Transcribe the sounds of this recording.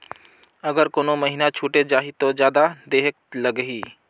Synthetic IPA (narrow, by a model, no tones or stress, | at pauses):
əɡəɾkoːnoməɦinat͡ʃʰuːʈed͡ʒaːɦit̪od͡ʒjaːd̪ad̪eːɦek̚ləɡɦiː